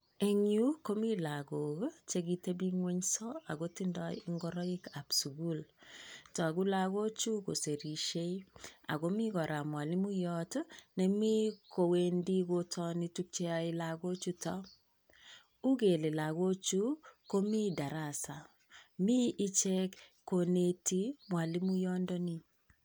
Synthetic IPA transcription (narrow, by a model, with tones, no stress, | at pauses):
e˦ŋu˦ko˦mi˦la˨ɡo˨ɡt͡ʃe˦ɡi˦te˦bi˦ŋwe˦ɲsɔ˦a˨ɡo˦ti˦ndɔ˦i˦ŋɡɔ˦ɾɔ˦i˦ka˨psu˨ɡu˦ltɔ˨a˨ɡu˦la˦ɡo˦t͡ʃu˦ko̰˨se˨ɾi˨ʃe˦i˦a̰˨ɡo˦mi˦ɡɔ˨ɾʔa˨mwa˨li˦mu˦jɔ˦tnɛ˨mi˦ko˨we˦ndi˦ɡo˦tʰɔ˦ni˦tu˦k̚t͡ʃɛ˦a˦i˦la˨ɡo˦t͡ʃu˦tɔ˦ | u˦ɡe˨le˨la˨ɡo˦t͡ʃu˦ko˦mi˦da˨ɾa˨sa˨ | mi˦ʔi˦t͡ʃɛ˦kkːo˨ne˦ti˦mwa˨li˦mu˦jɔ˦ndɔ˦ni˦